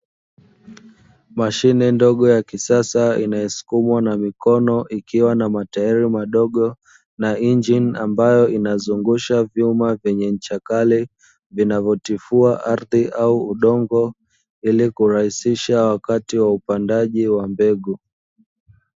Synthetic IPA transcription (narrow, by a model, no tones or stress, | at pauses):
maʃinɛndɔɠɔjakisasaḭnajɛsu̥kumwanamikɔnɔʔikiwanamataiɾimaɗɔɠɔ | naind͡ʒinambajɔinazuŋɡuʃavjumavjɛɲɛt͡ʃakali | vinavɔtifuaʔaɾðiʔauːɗɔŋɡɔ | ilikuɾahisiʃawakatiwaupandaʄiwambɛɠu